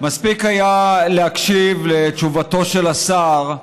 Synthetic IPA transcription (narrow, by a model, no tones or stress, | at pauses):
maspikajaleakʃivlet͡ʃuvato̞ʃelasaʁ